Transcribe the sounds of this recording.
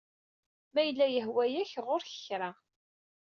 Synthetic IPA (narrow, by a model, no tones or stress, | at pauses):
mæjəlːæjəhwæjæçʁʊɾçə̥çɾa